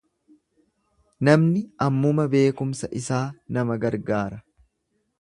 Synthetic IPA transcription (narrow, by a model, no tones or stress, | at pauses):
nɐmnɪɐmːʊmɐbe̞ːkʊmsɐʔɪsaːnɐmɐɡɐɾɡaːɾɐ